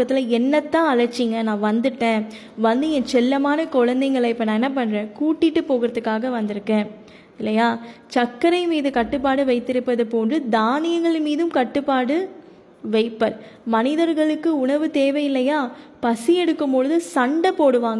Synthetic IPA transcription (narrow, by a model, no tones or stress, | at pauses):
ɐt̪ːɪlɐɛnːɐt̪ːãːɐɻɐt͡ʃːiŋɡɐnãːʋɐnd̪ɯʈːẽː | ʋɐnd̪ɯɛ̃t͡ʃɛlːɐmaːnɐkɔɻɐnd̪ɐɪŋɡɐɭɐɪpːɐnãːɛnːɐp̬ɐɳːɾẽːkuːʈːɪʈːɯpoːɣɪɾɐðɯkːaːɣɐʋɐnd̪ɪɾɯkːẽː | ɪlːɐjaːt͡ʃɐkːɐɾɐɪmiːðɯkɐʈːɯp̬ːaːɽɯʋɐɪt̪ːɪɾɯpːɐðɯpoːndrɯd̪aːnɪjɐŋɡɐɭmiːðɯmkɐʈːɯpːaːɽɯ | ʋɐɪpːɐɾ | mɐnɪðɐɾɣɐɭɯkːɯʊɳɐʋɯt̪eːʋɐjɪlːɐjaːpɐsɪjɛɽɯkːɯmpoːɻɯðɯsɐɳɖɐpːoːɽɯʋaːŋɡɐ